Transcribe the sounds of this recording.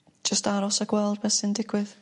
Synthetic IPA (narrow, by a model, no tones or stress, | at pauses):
d͡ʒ̥əstaɾɔsəɡwɛlˠd̚mɛsɨndɪɡ̥wɪð